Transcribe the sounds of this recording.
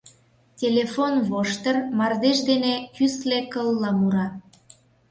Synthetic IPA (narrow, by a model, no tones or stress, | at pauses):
tʲelefonβoʃt̪ərmɑrd̪eʃd̪enekyslekəlːɑmuɾɑ